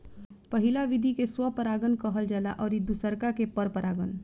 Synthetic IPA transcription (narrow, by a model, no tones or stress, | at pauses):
pəɦilaʋid̪ʱikeswəpəɾaːɡənkəɦəld͡ʒɛla̰ʔɔːɾid̪usəɾkakepəɾpəɾʔaːɡən